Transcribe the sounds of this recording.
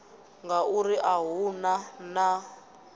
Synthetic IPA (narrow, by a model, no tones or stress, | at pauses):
ŋɡauriʔaɦunana